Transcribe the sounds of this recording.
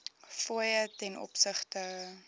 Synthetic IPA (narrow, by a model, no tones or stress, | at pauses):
fuəjətɛnʔɔ̰psəχtə